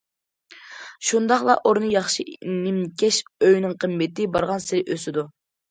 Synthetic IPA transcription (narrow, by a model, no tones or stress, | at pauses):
ʃund̪ɑχlˠɑ̰ʔoɾnɨjɑχʃinɪmkʲʰɛʃøjnɪŋqʰəmːɪt̪ɪbɑɾʁɑnsɪɾɪʔøsɪd̪u